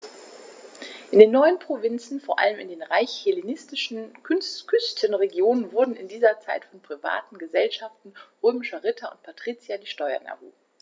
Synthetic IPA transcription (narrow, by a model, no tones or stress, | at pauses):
ʔɪndeːnːɔʏənpʁ̥ovɪnt͡sn̩foːɐʔa̰ləmɪ̰ndeːnʁaɪçhelenɪstɪʃn̩kʰʏnstkʰʏstʰənʁeɡjoːnənvʊɐdn̩ɪndiːzɐt͡saɪtfɔnpʁ̥iva̰ːtn̩ɡəzɛlʃaftn̩ʁøːmɪʃɐʁɪtʰɐʊ̰ntpʰatʁ̥iːt͡sjadiːʃtɔʏɐ̰na̰vṵː